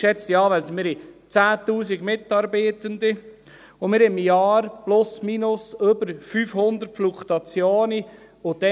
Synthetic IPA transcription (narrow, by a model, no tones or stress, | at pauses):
ʃɛt͡stjɑːʋæmɪɾhit͡sæːt̪uːsiɡmɪtɑɾbeːt̪ənd̪i | ʊmɪɾɪmjɑːɾplʊsminʊsøbəɾfyːfhʊnd̪əɾtflukt̪ɑt͡sjoːni | ʊd̥ɛ